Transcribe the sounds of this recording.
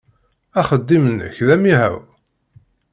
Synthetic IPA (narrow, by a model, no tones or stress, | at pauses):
æχəd̪ːimənə̰çðæmiɦæ̰w